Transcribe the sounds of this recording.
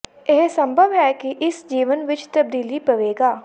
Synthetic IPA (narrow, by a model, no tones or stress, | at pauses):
ɪɦsə̃mbʱəʋɦɛːkɪʔɪsd͡ʒiːʋənʋɪt͡ʃt̪əb̚d̪iːliːpəʋeːɡaː